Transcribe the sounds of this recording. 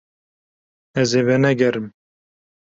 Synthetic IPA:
ɛzeːvɛnɛɡɛɾɨm

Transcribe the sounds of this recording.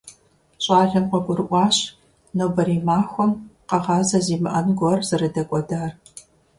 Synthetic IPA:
ɕʼɑːɮʲɐmqʷɔɡʷʊrɨʔʷɑːɕ | nowbɐɾiːmaːxʷɔmqɐʁɑːzɐziːmɨʔɐnɡʷɔrzɨrɨdɐkʷʼɔdaːr

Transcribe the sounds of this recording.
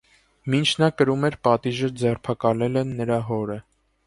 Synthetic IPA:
mint͡ʃʰnɑkəɾumɛɾpɑt̪iʒəd͡zɛrpʰɑkɑlɛlɛnːəɾɑɦɔɾə

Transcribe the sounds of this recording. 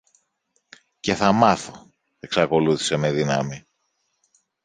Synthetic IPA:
ce̞θɐmɐθo̞ | e̞ksɐko̞luθi̥se̞me̞ðinɐmi

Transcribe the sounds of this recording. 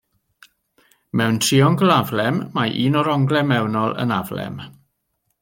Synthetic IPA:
mɛwntʰriɔŋɡəlˠavlɛmːajʔiːnɔɾɔŋɡlˠɛmːɛwnɔlˠə̰navlɛ̰m

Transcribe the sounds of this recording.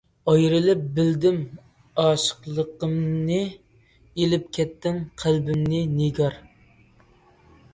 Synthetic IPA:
ɑjɾɨlɪp̚bɪld̪ɪm | ɑːʃə̥qlˠəqəmnɨ | elɪp̚kʲʰɛt̪ːɪmqʰælbɪmnɪneɡɑɾ

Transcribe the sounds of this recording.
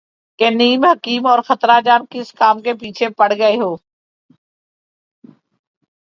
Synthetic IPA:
keniːmɦəkiːmɔːɾxət̪ɾad͡ʒaːnkɪskaːmkep̬iːt͡ʃʰepəɽ̤ɡəeɦoː

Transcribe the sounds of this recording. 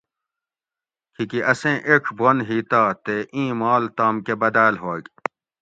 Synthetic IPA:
kʰikiʔɐsẽʔekʰbonɦiːt̪aːt̪eʔĩːmaːlt̪aːmkebɐd̪aːlɦoːɡ

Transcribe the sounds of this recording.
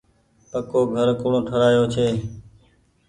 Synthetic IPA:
pəkoːɡʱəɾkʊɳõːʈʰəɽaːjoːt͡ʃʰeː

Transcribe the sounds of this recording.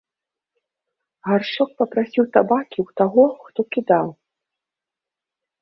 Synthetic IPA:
ɣarʂɔk̚pɐpɾasʲiwt̪abakʲiwt̪aɣɔxt̪ɔkʲid̪aw

